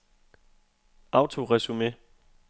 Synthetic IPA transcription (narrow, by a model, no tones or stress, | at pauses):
ɑ̈ʊt͡sʰo̝ʁɛsume